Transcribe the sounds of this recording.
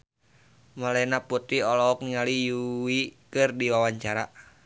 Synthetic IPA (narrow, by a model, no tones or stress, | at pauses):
malɛnaput̪iɔlɔɔk̚niŋalijuwikɨrdiwawaɲt͡ʃaɾa